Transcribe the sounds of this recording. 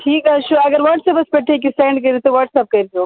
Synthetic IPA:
ʈʰiːkɐʃuɐɡɐɾʋɐɾʈsɐpɐspɐʈʰːek̬ːisʈeːɳɖk̬ɐɾit̪oʋɐɾʈsɐp̚kɐɾt̪o

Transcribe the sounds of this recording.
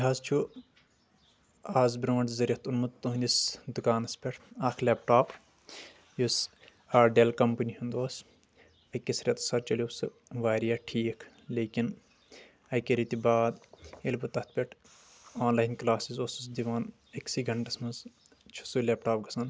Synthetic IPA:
iɦaːzt͡ʃʰu | aːzbɾoːɐɳʈzɐɾʲɐt̪unmɐt̪t̪uɦũnd̪ʲisd̪ukaːnɐspʲeʈʰaːkʰleːpʈaːp | jus | aːɾɖeːlkɐmpɐniɦund̪oːs | ɐjkisɾʲɐt̪ɐ̥saːɾt͡ʃɐlʲjoːsɨ | ʋaːɾijaːʈʰiːkʰ | leːkin | ɐjkeɾit̪ʲibaːd̪elʲbut̪ɐt̪̚ʰpʲeʈʰ | oːnlaːjnklaːsizoːsusd̪iʋaːn | ɐksiɡɐɳʈɐsmɐz | t͡ʃʰu̥suleːp̚ʈaːp̚ɡɐsɐn

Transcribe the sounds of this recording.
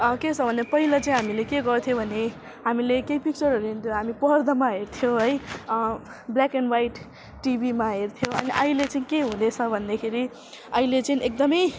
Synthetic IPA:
ʌkesʰʌbʱʌnd̪pʌɦilat͡saĩɦamilekeɡʌɾt̪ʰijobʱʌne | ɦamilekejpik̚t͡sʌɾʌɾuɦint̪ʰjoɦamipʌrd̪ʌmaɦeɾt̪ʰijoɦʌj | blakenwajʈ | ʈibʱimaɦeɾt̪ʰjoʌniʔʌilet͡saĩkeɦũd̪et͡sʰʌbʱʌnd̪ekʰeɾi | ʌilet͡saĩʔek̚d̪ʌmʌj

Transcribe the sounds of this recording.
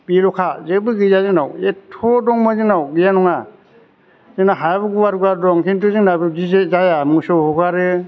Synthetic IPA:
biɾɔkʰazebɯɡɯzazɯnawetʰɔdɔŋmɯzɯnawɡijanɔŋa | zɯnaɦajabɯɡuwaɾɡaɾdɔŋkʰintɯzɯŋnabɯd͡ʒizezajamusɔhɔɡaɾɯ

